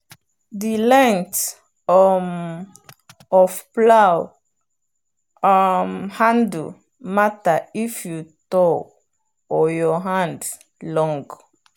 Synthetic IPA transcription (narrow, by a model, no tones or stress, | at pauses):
dilɛ̃ŋt | ɔfpla | mhãnd | mataifjutɔ | ɔjɔɦãnd | lɔ̃ŋɡ